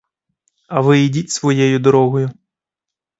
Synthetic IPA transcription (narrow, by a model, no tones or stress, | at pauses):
ɐʋɪidʲitʲsʋɔjɛjʊd̪ɔɾɔɦɔjʊ